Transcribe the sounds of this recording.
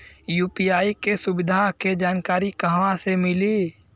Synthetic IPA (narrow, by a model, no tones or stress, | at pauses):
juːpijaːikesʊbɪd̪ʱaked͡ʒaːnkaːɾikəɦʋãsemɪli